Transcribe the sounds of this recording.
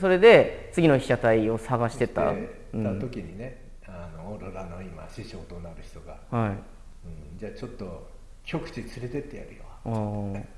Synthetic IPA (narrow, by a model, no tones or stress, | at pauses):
so̞ɾe̞d̪e̞t͡sɨɡʲino̞çi̥ɕat̪aio̞saɡaɕi̥t̪e̞t̪a̰ | ɯ̃ao̞kʲiɲ̟ine | anoːɾoɾanoimaɕiɕo̞ːt̪onaɾɯ̟çi̥t̪o̞ɡa̰hai | ɯ̃d͡ʑaːt͡ɕo̞t̪ːo̞ | kʲo̞kɯ̟̥t͡ɕit͡sɨɾe̞t̪e̞t̪ːeja̰ɾɯjoβaa